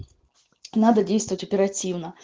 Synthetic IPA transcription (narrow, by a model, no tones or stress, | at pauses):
nad̪ɐdʲejst̪vəvətʲɔpʲɛɾatʲiwnɐ